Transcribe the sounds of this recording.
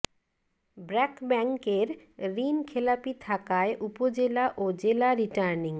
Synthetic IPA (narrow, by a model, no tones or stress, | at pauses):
bɾɛkbɛŋkeɾ | ɾinkʰelapit̪ʰakaeʔupod͡ʑelaʔod͡ʑelaɾiʈaɾniŋ